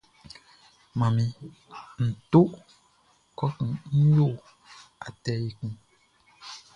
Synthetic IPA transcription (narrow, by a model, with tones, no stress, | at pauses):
mã˨mĩ˨ | n̩˨to˦ʔ | kɔ˦kĩ˨n̩˦jo˦˨ | a˨tɛ˨˦ji˨kũ˦